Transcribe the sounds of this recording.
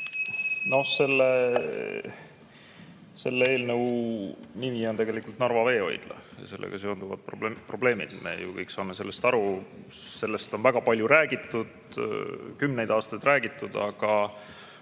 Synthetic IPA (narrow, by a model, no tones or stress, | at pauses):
no̞hse̞lːe | se̞lːee̞ːlnɤw | mimio̞nt̪e̞ɡe̞likːult̪nɑrvɑve̞ːo̞̰j̰d̪̥lɑ̰jɑ̰se̞lːḛɡ̥ɑse̞ond̪̥uvɑ̰d̪̥̚ppro̞ble̞ːmḭd̪̥me̞̰jukɤjkːsɑːme̞se̞lːe̞st̪ɑɾu | se̞lːe̞st̪o̞nvæɡ̥ɑpɑlʲjuɾæːɡit̪ːud̪̥ | kymne̞jd̪ɑːst̪ɑjd̪̥rʔæːɡ̥it̪ːˑud̪̥ɑ̰ɡ̥ɑ